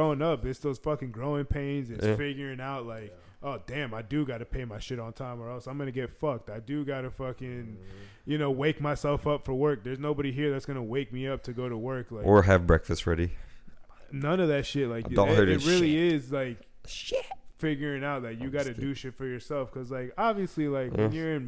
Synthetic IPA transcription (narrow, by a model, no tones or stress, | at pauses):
õʊɪ̃ŋʌp̚ðɪtsðoʊz̥fʌkɪ̃ŋɡɹoʊɪ̃ŋpʰẽɪ̃nzɨsfɪɡjə˞ɪ̃ŋaʊt̚laɪk | ʔoʊdæ̃maɪdɨɡɑɾɨpʰeɪmaɪʃɪɾn̩tʰãɪ̃mə˞ɛlˠsãɪ̃mɡʌnɨɡɛtfʌk̚taɪdɨɡɑɾɨfʌkɪ̃n | jɨnoʊweɪk̚maɪsɛlˠfʌpfə˞wɜ˞k̚ðə˞znoʊbɑɾiɦiɹðætsɡ̥ʌnəweɪk̚miʌp̚tʰɨɡoʊɾəwɜ˞klaɪʔə˞ɨvbɹɛkfɨstɹɛ̰ɾi | nʌ̃nʌvðɨtʃɪt̚laɪkõnɜ˞t̚ɹɪlˠiɪzlaɪk | ʃʃɪt̚fɪɡjə˞ɪ̃ŋaʊt̚laɪkjɨɡɑɾɨdɨʃɪtfə˞jə˞sɛlˠfkʰʌzlaɪkɑbviɨslilaɪkhɪ˞ɪ̃n